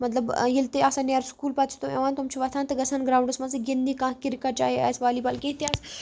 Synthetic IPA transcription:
mɐt̪lɐbjilt̪eaːsɐnjaɾskuːlpɐt͡sʰt̪uɛ̰ʋaːnt̪umt͡ʃʰiʋɐt̪ʰãːnt̪ɐɡɐsʰaːnɡɾaːwɳɖusmɐziɡind̪ikãːkiɾikat͡ʃa̰ːɦia̰ːsʋaːlipɐlkẽɦt̪iaːs

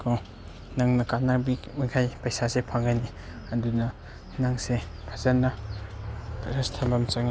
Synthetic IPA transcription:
kʰo | naŋnɐkanabi | mukʰajpɐjsasepʰaŋɡani | ɐdunɐ | naŋse | pʰazanːa | ɾɐstʰabamt͡ʃaŋi

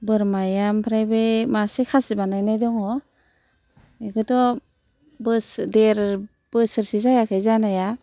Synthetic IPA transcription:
bɯɾmajampʰɾajbemasekʰasibanajnajdɔŋɔ | mekɯtɔ | bɯsdeɾ | b̥ɯsɯɾsizajakʰajzanaja

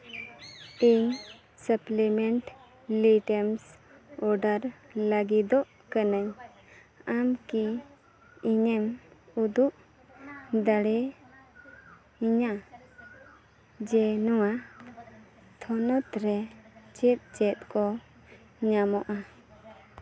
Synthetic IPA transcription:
iɲ | səplimɛɳʈ | liʈəms | ɔɾɖaɾləɡid̪ɔʔ | kanaɲ | amki | iɲɛmud̪uʔ | d̪aɽɛ | iɲa | d͡ʒɛnɔwa | t̪ʰɔnɔt̪ɾɛt͡ʃɛt̪̚t͡ʃɛt̪̚kɔ | ɲamɔʔa

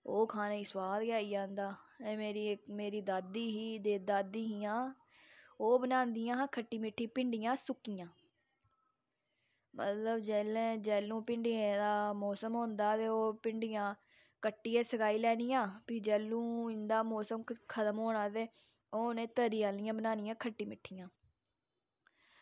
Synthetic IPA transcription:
oːkʰaːneːiːswaːlɡjaːiːd͡ʒãːnd̪aːẽːmeːɾiːɪkmeːɾiːd̪aːd̪iːɦiːd̪eːd̪aːd̪iːɦiːãː | oːbənãːnd̪ɪjãːkʰəʈːiːmɪʈʰːiːpɪɳɖɪjãːsʊkːijãː | mə̰t̪ləbd͡ʒɛːlẽːd͡ʒɛːlːũːpɪɳɖiːẽːd̪aːmɔːsəmɦõːnd̪aːt̪eːoːpɪɳɖijãː | kəʈːiːeːsəkʰaːiːlɛːnijãːpiːd͡ʒɛːlːũːɪnd̪aːmɔːsəmkʰət̪əmɦoːɳaːt̪eː | oːonẽːt̪əɾiːaːlijãːbənaːnɪjãːkʰəʈːiːmɪʈʰːijãː

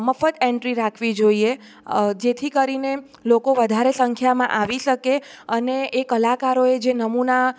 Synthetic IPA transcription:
məfət̪eɳʈɾiɾakʰʋid͡ʒoie | d͡ʒet̪ʰikəɾine | lokoʋəd̪ʱaɾesəŋkʰjamã̰ʔaʋiʃəkeəneeːkəlakaɾoed͡ʒenəmuna

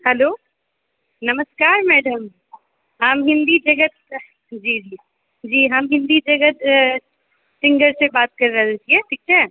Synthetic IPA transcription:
hɛloː | nɐməskaːɾmɛːɖəm | ɦamɦɪ̃nd̪id͡ʒɐɡət̪̚ | d͡ʒiːd͡ʒiː | d͡ʒiːɦɐmɦɪ̃nd̪id͡ʒɐɡət̪ | sɪ̃ŋɡəɾsebaːt̪̚kɐɾːɐɦlet͡ʃieʈ̪ʰiːk̚t͡ʃʰɛ

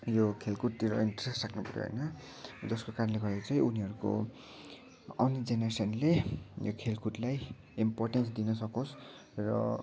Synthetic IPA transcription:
jokʰelkʰuʈ̚t̪iɾʌ̰inʈʌresraknupʌɾjo̰ɦʌ̰jnʌ | d͡zʌskokarʌnleɡʌɾet͡sʌj̃uniɦʌɾuko̰ | ʌnd͡zenesʌnlejo̰kʰelkʰuʈlaj | imporʈensd̪inʌsʌkos | rʌ̰

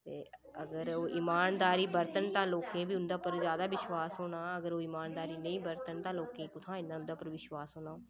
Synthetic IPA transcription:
t̪eː | əɡəɾoːʔiːmaːnd̪aːɾiːbəɾt̪ənt̪ãːloːkẽːbiːʊnd̪aːpəɾzjaːd̪aːʋɪʃwaːsɦoːɽãːəɡəɾoːɪːmaːnd̪aːɾiːnəĩːbəɾt̪ənt̪ãːloːkẽːkʊt̪ʰãːɪnːãːʊnd̪aːpəɾʋɪʃwaːsɦoːnaː

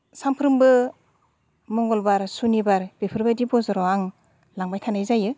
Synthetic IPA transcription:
sampʰɾɯmbɯ | mɔŋɡɔlbaɾsunibaɾb̥ipʰɯɾbadibɔzɔɾɔaŋ | laŋbajtʰanajzajɯ

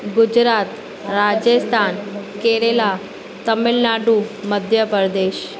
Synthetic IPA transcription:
ɡud͡ʑɾat̪ | ɾad͡ʑəst̪ʰankeɾela | t̪əmilnaɖuməd̪ʱjəpəɾd̪eɕ

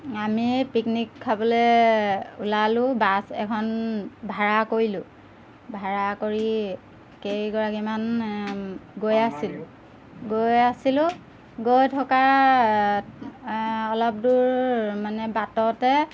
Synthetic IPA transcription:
amipiknikʰːabɔlɛ | ulalʊ̃basɛkʰɔnbʱaɹakoɹilʊ̃ | bʱaɹakoɹi | kejɡɔɹakiman | ɡojasilʊ | ɡojasilʊ̃ | ɡojtʰɔka | ɔlɔp̚duɹmanɛbatɔtɛ

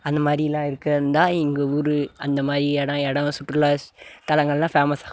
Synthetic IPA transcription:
ɐnd̪ɐmaːd̪ɾɪjlãːɪɾɯkːɐɾɯnd̪ãːɪŋɡeːʊɾɯɐnd̪ɐmaːdɾiɛɽɐ̃ɛɽɐ̃sʊʈːɾɯlaːst̪ɐlɐŋɡɐɭlãːfaːmɐsaː

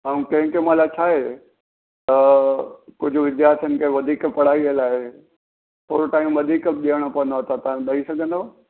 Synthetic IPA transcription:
ãːkɐ̃ɦɪ̃kemãlat͡ɕʰaːɦe | t̪ɐ | kʊd͡ʑʱʊʋɪd̪jaːɾt̪ʰijənkʰeʋɐd̪ʱiːkpɐɽ̤aːiəlaːɦe | poːɾoʈaːimʋɐd̪ʱiːkɗiəɽ̃opɐʋə̃nd̪aat̪at̪ɐãɗɐisɐɡʱə̃nd̪o

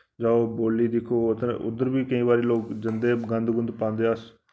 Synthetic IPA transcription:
d͡ʒaːoːboːlːiːd̪ɪkʰoːət̪ẽːʊ̰d̪əɾbiːkəĩːβaːɾiːloːkd͡ʒənd̪eːɡə̃nd̪ɡʊnd̪pãːnd̪eːəs

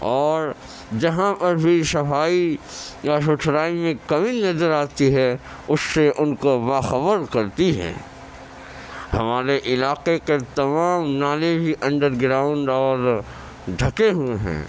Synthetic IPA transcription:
ɔːɾ | d͡ʒɐɦãpɐɾbʱisɐfaːijaʃʊʈʰɾaːimẽkɐʋinɐzəɾaːt̪iɦɛ | ʊsːeʔʊnkobaːxɐbəɾkɐɾt̪iɦɛ̰̃ː | hɐmaːɾeʔɪlaːqeket̪ɐmaːmnaːlẽbʱiʔɐ̃ɳɖəɾɡɾaːʊ̃ɳɖɔːɾ | ɖʱɐkeɦueɦɛ̰̃ː

